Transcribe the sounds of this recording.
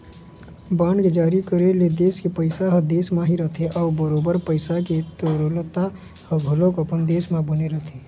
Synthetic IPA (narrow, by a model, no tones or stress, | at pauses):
baːnked͡ʒaːɾikəɾeled̪eːskepəɪsaɦəd̪eːsmãɦiɾət̪ʰeʔɔːbəɾoːbəɾpəɪsaket̪əɾolt̪a | həɡʱəlõkəpənd̪eːsmãbəneɾət̪ʰe